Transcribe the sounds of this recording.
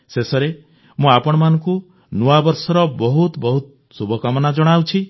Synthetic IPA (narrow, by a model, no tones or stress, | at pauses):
sesɔɾe | mũapɔɽ̃ɔmanɔ̃ŋku | nuabɔɾsɔɾɔbɔɦut̪bɔɦut̪ | subʱɔkɔmɔnad͡ʒɔɽ̃awt͡ʃʰi